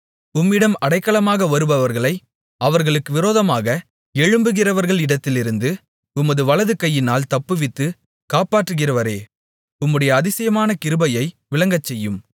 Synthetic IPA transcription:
ʊmːɪɽɐmɐɽɐɪkːɐɭɐmaːɣɐʋɐɾɯbɐʋɐɾɣɐɭɐɪ | ɐʋɐɾɣɐɭɯkːɯʋɪɾoːðɐmaːɣɐ | ɛɻɯmbɯɣɪrɐʋɐɾɣɐɭɪɽɐt̪ːɪlɪɾɯnd̪ɯ | ʊmɐðɯʋɐlɐðɯkɐjːɪnaːlt̪ɐpːɯʋɪt̪ːɯ | kaːpaːʈrɯɣɪrɐʋɐɾeː | ʊmːɯɽɐjɐːðɪsɐjɐmaːnɐkɪɾɯbɐjɐɪ | ʋɪlɐŋɡɐt͡ʃːɛjːɯm

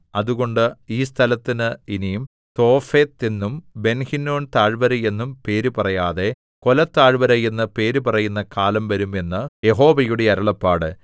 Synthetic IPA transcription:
ɐðuɣo̞ɳɖɨiːs̬t̪ʰɐlɐt̪ːinɨinijum | t̪o̞ːfe̞ːt̪ːinːumbe̞nhinːo̞ːnt̪aːɻʋɐɾɐje̞nːumpe̞ːɾupɐrɐjaːðe̞ | ko̞lɐt̪ːaːɻʋɐɾɐje̞nːɐpe̞ːɾupɐrɐjunːɐkaːlɐmʋɐɾume̞nːɨje̞ɦo̞ːʋɐjuɽe̞ɐɾɐɭɐpːaːɽɨ

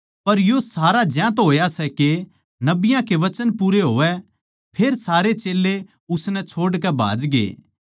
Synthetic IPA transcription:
pɐɾjosaːɾad͡ʒjãːt̪ɦoːjasɛke | nɐbɪjãkeʋɐt͡ʃənpuːɾeɦoːʋɛ | pʰeːɾsaːɾet͡ʃeːlːe | ʊsnɛt͡ʃʰoːɽk̬ɛbʱa̰ːd͡ʒɡḛː

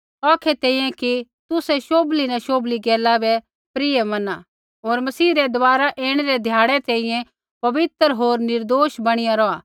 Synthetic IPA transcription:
ɔːkʰɛt̪ẽːĩjɛ̃ki | t̪ʊsɛʃoːblinaʃoːbliɡɛːlabɛ | pɾɪemɐna | ɦoːɾmɐsiːɾɛd̪ʊbaːɾaʔeːɽ̃ɛɾɛd̪ʱjaːɽɛt̪ẽĩjɛ̃ | pɐʋɪt̪ɾɦoːɾnɪɾd̪oːʃbɐɽ̃ɪjãɾɔaː

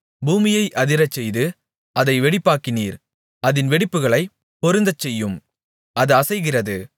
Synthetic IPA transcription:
buːmɪjɐɪʔɐðɪɾɐt͡ʃːɛjðɯ | ʔɐðɐɪʋɛɽɪpːaːkɪniːɾ | ɐðɪnʋɛɽɪpːɯɣɐɭɐɪ | pɔɾɯnd̪ɐt͡ʃːɛjːɯm | ɐðɯɐsɐɪɣɪrɐðɯ

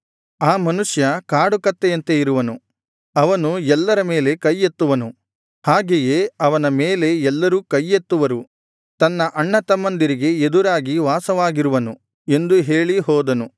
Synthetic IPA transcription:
aːmɐnuʂjɐkaːɽukɐt̪ːejɐnt̪eiɾuʋɐnu | ɐʋɐnuɛlːɐɾɐme̞ːle̞kɐjːet̪ːuʋɐnu | haːɡejeːɐʋɐnɐmeːle̞ɛlːɐɾuːkɐjːet̪ːuʋɐɾu | t̪ɐnːɐʔɐɳːɐt̪ɐmɐnd̪iɾiɡe̞ed̪uɾaːɡiʋaːsɐʋaːɡiɾuʋɐnu | e̞nd̪uɦe̞ːɭiɦɔːd̪ɐnu

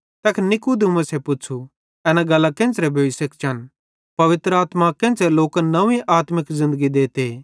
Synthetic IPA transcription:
t̪ɐkʰnɪkud̪umɐ̃sɛpʊt͡ʃʰu | ɛːnaɡɐlːakɪ̃ːnt͡ʃɾɛbʱoːʋisekt͡ʃʰɐn | pɐʋɪt̪ɾəaːt̪makɪ̃ːnt͡ʃɛloːknɐʋĩʔaːt̪mɪkzɪ̃nd̪əɡid̪eːt̪eː

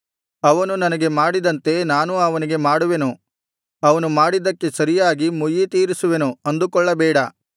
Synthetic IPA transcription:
ɐʋɐnunɐnɐɡe̞maːɽid̪ɐnt̪e̞naːnuɐʋɐniɡe̞maːɽuʋe̞nu | ɐʋɐnumaːɽid̪ɐkːe̞sɐɾijaːɡimujit̪iːɾisuʋe̞nuɐnd̪ukɔɭːɐbɛːɽɐ

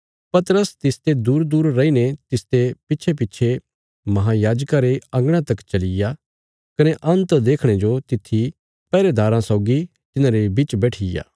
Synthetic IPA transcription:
pɐt̪əɾəst̪ɪst̪ed̪uːɾd̪uːɾːɐinet̪ɪst̪epɪːʃʰep̬ɪtːʃʰe | mɐɦãjaːd͡ʒkaɾeɐ̃ŋɡɽ̃ãt̪ɐkt͡ʃɐlɪja | kɐneʔɐ̃nt̪d̪eːkʰɽ̃ed͡ʒot̪ɪt̪ʰːi | pɛːɾed̪aːɾãsɐʊɡi | t̪ɪnãɾebit͡ʃbɛːʈʰɪja̰ː

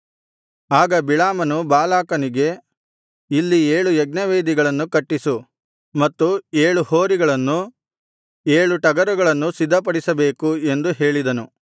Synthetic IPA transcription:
aːɡɐbiɭaːmɐnubaːlaːkɐniɡe̞ | ilːieːɭujɛɡ̚nɐʋeːd̪iɡɐɭɐnːukɐʈːisu | mɐt̪ːueːɭuhoːɾiɡɐɭɐnːu | eːɭuʈɐɡɐɾuɡɐɭɐnːusid̪ʱːɐp̬ɐɽisɐbe̞ːkue̞nd̪uɦe̞ːɭid̪ɐnu

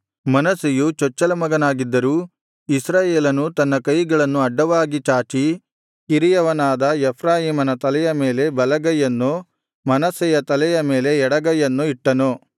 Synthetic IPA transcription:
mɐnɐsijut͡ʃɔt͡ʃːɐlɐmɐɡɐnaːɡid̪ːɐɾuː | isɾaːjeːlɐnut̪ɐnːɐkɐjɡɐɭɐnːuɐɖːɐʋaːɡit͡ʃaːt͡ʃi | iɾijɐʋɐnaːd̪ɐɛpʰɾaːjiːmɐnɐt̪ɐlɛjɐme̞ːle̞bɐlɐɡɐjɐnːu | mɐnɐsɛjɐt̪ɐlɛjɐme̞ːle̞ɛɽɐɡɐjɐnːuiʈːɐnu

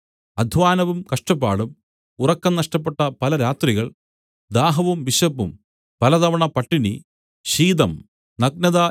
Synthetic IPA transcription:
ɐd̪ʱʋaːnɐʋumkɐʂʈɐpːaːɭum | urɐkːɐmnɐʂʈɐp̬ːeʈːɐpɐlɐɾaːt̪riɣɐɭ | d̪aːɦɐʋumʋiɕɐpːum | pɐlɐðɐʋɐɳɐpɐʈːinḭ | ɕiːd̪ɐm | nɐɡ̚nɐða

